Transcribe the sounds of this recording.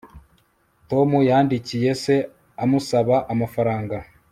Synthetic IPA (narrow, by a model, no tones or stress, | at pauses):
to̞mujaːndicije̞se̞ | amusaβaʔamafaɾaːŋɡa